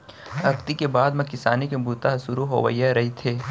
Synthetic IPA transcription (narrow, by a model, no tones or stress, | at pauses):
ɐkt̪ikebaːd̪mɐkɪsaːnikebuːt̪aɦsʊɾuɦo̰ːʋə̰ijaɾɐɦit̪ʰeː